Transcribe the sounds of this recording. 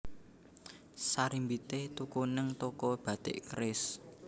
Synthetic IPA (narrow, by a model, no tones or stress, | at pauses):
saɾimbit̪et̪ukunəŋt̪ɔkɔb̥a̤d̪̥ḛʔkɾɪs